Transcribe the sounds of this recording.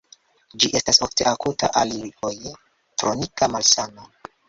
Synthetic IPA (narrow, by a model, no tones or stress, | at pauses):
d͡ʒiʔe̞stasofte̞ʔakutʰa̰ʔalioj | tɾo̞nikamalsano